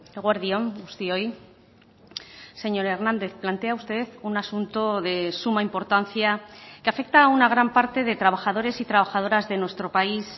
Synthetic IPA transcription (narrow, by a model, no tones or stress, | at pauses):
ɣwaɾðio̞must̪ioj | se̞ɲo̞ɾe̞ɾnãnd̪e̞θplant̪e̞aust̪e̞ðunasunt̪oðe̞sumaimpo̞ɾt̪an̟θjakeafe̞k̚t̪aunaɣ̞ɾampaɾt̪e̞ðe̞t̪ɾaβ̞axaðo̞ɾe̞sit̪ɾaβaxað̞o̞ɾazðe̞nwe̞st̪ɾo̞pais